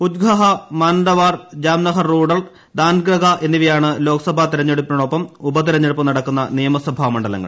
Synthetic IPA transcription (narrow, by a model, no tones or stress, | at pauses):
ud̪ɡʱɐɦɐmaːnɖɐʋaːrd͡ʑaːmnɐɦɐrːuːɽɐɭ | d̪aːnɡɾɐɡʱɐʔe̞nːiʋɐjaːɳɨlo̞ːkɐsɐbʱat̪iɾɐɲːeɽupːinɐɽo̞pːɐmubɐt̪̬iɾɐɲːeɽupːɐmnɐɽɐkːunːɐ̰nijɐmɐsɐbʱaːmɐɳɖɐlɐ̰ŋːɐ̰ɭ